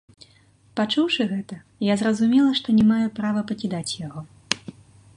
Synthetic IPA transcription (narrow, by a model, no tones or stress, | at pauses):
pat͡ʂuwʂɨɣɛt̪ɐ | jazrɐzumʲɛlˠɐʂt̪ɔnʲɛmajupɾavɐpɐkʲɛd̪at͡sʲjaɣɔ